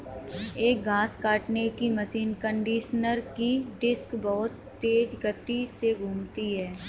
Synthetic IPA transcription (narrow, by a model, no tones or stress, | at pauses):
eːk̚ɡaːskaːʈnekiməsiːnkə̃ɳɖiːʃnəɾkiɖɪskbɔɦʊt̪ːeːd͡ʒɡət̪ːiseɡʱũːmt̪iɦɛː